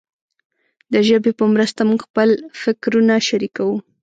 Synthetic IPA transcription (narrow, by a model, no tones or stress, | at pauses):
d̪əʒəbepəmɾəst̪amuɡxpəlfɪkɾunaʃaɾikawu